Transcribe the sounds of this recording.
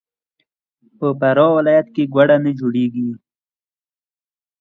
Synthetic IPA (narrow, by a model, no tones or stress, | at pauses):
pəpaɾɑwɪlɑjat̪keɡwaɽanəd͡ʒoɽeɡi